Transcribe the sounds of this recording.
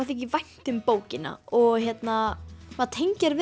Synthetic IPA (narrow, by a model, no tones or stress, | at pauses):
t̪̬ɛhcɪvajn̥t̪ʏmpoːwcɪna̰ɔɣçjɛt̪namaðt̪ʰejɲcaɾvɪ